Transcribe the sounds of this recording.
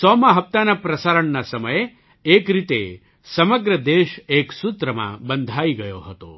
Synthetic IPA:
sɔːmɐɦɐp̚t̪aːnɐpɾɐsaːɾɐɳːɐsɐmɐje | eːkɾit̪ḛ | sɐmɐɡɾɐd̪eːʃeːksut̪ɾɐma̰bɐnd̪ʱaːjiɡɐjo̰ːɦɐt̪o̰

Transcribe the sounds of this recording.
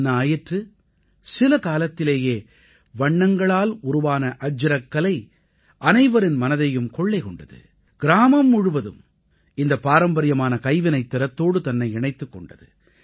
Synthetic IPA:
naːjɪʈrɯ | sɪlɐkaːlɐt̪ːɪleːjeː | ʋɐɳːɐŋɡɐɭaːlʊɾʊʋaːnɐʔɐd͡ʒɪɾɐkːɐlɐɪ | ʔɐnɐɪʋɐɾɪnmɐnɐðɐjɯmkɔɭːɐɪkɔɳɖɐðɯ̰ | ɡ̥ɪɾaːmɐmːʊɻʊʋɐðɯ̰m | ɪnd̪ɐpːaːɾɐmbɐɾɪjɐmaːnɐkɐɪʋɪnɐɪt̪ːɪɾɐt̪ːoːɽɯt̪ɐnːɐɪɛɳɐɪt̪ːɯkːɔɳɖɐðɯ̰

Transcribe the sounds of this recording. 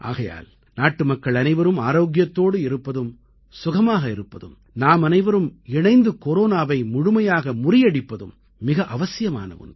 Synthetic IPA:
ʔa̰ːɣɐja̰ːl | naːʈːɯmɐkːɐɭɐnɐɪʋɐɾɯmaːɾoːɡɪjɐt̪ːoːɽɯɪɾɯpːɐðɯm | sʊɣɐmaːɣɐɪɾɯpːɐðɯ̰m | naːmɐnɐɪʋɐɾɯmɪɳɐɪnd̪ɯkɔɾoːnaːʋɐɪmʊɻʊmɐjaːɣɐmʊrɪjɐɽɪpːɐðɯ̰mː | ɪɣɐʔɐʋɐsɪjɐma̰ːnɐ̰ʋɯ̰n

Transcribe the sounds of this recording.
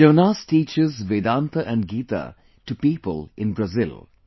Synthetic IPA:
d͡ʒəʋnaːsʈiːt͡ʃɪzʋeːd̪ãːnt̪əʔæ̃nɡiːt̪a̰ | ʈupiːpə̰lɪ̃nbɾazɪl

